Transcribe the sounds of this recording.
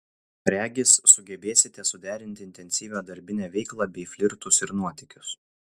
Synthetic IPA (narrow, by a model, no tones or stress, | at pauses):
ɾʲæːɡʲɪsːʊɡʲɛbʲeːsʲɪt̪ʲɛsʊd̪ʲæːɾʲɪnʲt̪ʲɪɪnʲt̪ʲɛnʲsʲiːʋʲoːd̪ɐɾʲbʲɪnʲæːʋʲɛɪklˠɑːbʲɛɪfʲlʲɪɾt̪ʊsɪɾnuɔt̪ʲɪkʲʊs